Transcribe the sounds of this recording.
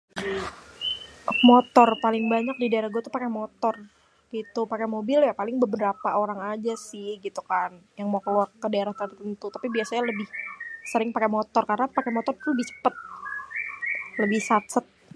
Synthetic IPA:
mot̪ɔrpalɪŋbaɲak̚didaeɾahɡuat̪upakɛmot̪ɔr | ɡ̥it̪upakɛmobɪljapalɪŋbəbəɾapaoɾaŋad͡ʒasɪhɡit̪ukanjaŋmakəluarədaeɾaht̪ərt̪ənt̪ut̪apibiasaɲaləbɪhsəɾɪŋpakɛmot̪ɔrkarənapakɛmot̪ɔrt̪uləbɪht͡ʃə̥pət̪̚ | ləbɪhsat̪sət̪̚

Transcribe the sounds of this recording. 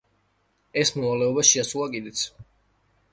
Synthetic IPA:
ɛsmɔvalɛɔbaʃiasulˠakʼid̪ɛt̪sʰ

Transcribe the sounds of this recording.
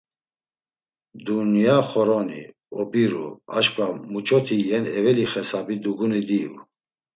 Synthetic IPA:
d̪unjaχɔɾɔnḭ | ɔbiɾṵa̰ʃkʼvamut͡ʃʼɔt̪ʰijɛnɛvɛliχɛsabid̪uɡunid̪iṵ

